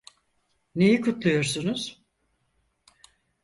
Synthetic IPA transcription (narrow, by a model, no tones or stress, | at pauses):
ne̞jikʰut̪lˠujo̞ɾsunuz̥